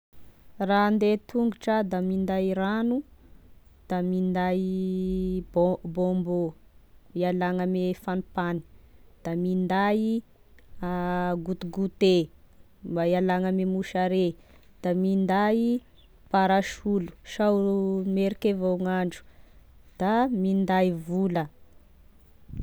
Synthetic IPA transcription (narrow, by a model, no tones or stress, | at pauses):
rand̪et̪ʰuŋɡuʈ͡ʂad̪amind̪aiɾanu | d̪̥amind̪a | bbombo | ialaŋamefanipani̥d̪̥amind̪aji | aɡut̪uɡut̪e | mbaialaŋəmemuʃaɾe | d̪̥amind̪ai | paɾaʃulu̥ʃawmeɾikevaŋaɳd͡ʒu̥d̪̥amind̪aivulə